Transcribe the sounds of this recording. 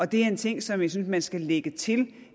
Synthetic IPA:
ɒ̽d̥e̝æɐe̝nt͡sʰe̝ŋ̰sɒ̽mjasynsmænsɡ̥æleɡ̥ət͡sʰe̝l

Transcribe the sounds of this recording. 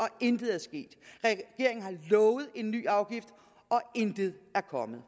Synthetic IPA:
ɒ̽end̥ð̩ˠæɐsɡ̥e̝̰ːd̥ʁɛɡ̥e̝ɐe̝ŋ̩hɑ̈lɔːʊð̞̩ˠe̝nːy̰ːɑ̈ʊɡ̥ifd̥ | ɒ̽end̥əð̩ˠæɐkʰɒ̽mð̩ˠ

